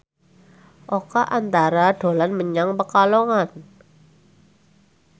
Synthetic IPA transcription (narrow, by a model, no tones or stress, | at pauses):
ʔokaʔant̪aɾaɖ̥o̤lanməɲaŋpəkaloŋan